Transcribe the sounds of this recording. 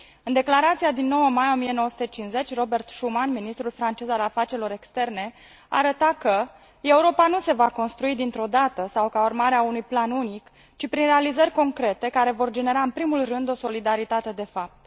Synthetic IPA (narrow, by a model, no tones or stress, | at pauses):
ɨnd̪e̞klaɾat̪sijad̪inːo̞wəmajo̞mije̞nowəsu̥t̪et͡ʃinze̞t͡ʃʲro̞be̞rt̪ʃumanminist̪ɾulfɾant͡ʃe̞zalafat͡ʃeɾilo̞ɾe̞kst̪e̞rne̞ | a̰ːɾət̪akə | e̞uɾo̞panuse̞vako̞nst̪ɾuid̪int̪ɾo̞d̪at̪əsawkaurmaɾeaunujplanunik | t͡ʃipɾinre̞alizərʲko̞ŋkɾe̞t̪e̞kaɾe̞vo̞rd͡ʒe̞ne̞ɾaɨnpɾimulrɨnd̪o̞so̞lid̪aɾit̪at̪e̞d̪e̞fap̚t̪